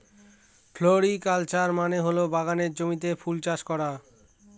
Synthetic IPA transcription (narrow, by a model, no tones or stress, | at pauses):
fʰloɾikalt͡ɕaɾmaneɦolobaɣaneɾd͡ʑomit̪̬efʰult͡ɕaʃkɔɾa